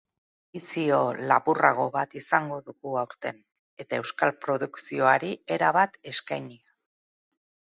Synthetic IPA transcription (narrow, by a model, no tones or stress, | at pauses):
isio̞lapuraɣ̞o̞βat̪isaŋɡo̞ðuɣuawɾt̪e̞n | e̞t̪ae̞wskalpɾo̞ðuksio̞aɾie̞ɾaβat̪e̞skajnia